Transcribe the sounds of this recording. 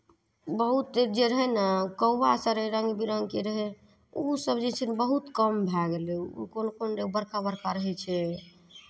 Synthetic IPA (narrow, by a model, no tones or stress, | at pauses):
bəɦut̪̚d̪ed͡ʒeɾəɦɛnəkəwbasəɾɾəŋɡbiɾəŋɡkeɾəɦɛ | usəbd͡ʒet͡ʃʰinbəɦut̪kəmbʱɛɡelḛkonokonɖebəɾkabəɾkaɾəɦɛt͡ʃʰɛ